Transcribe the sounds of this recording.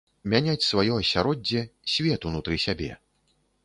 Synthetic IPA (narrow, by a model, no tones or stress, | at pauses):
mʲanʲat͡sʲsvajɔɐsʲaɾɔd͡zʲːɛsʲvʲɛt̪unut̪ɾɨsʲabʲɛ̰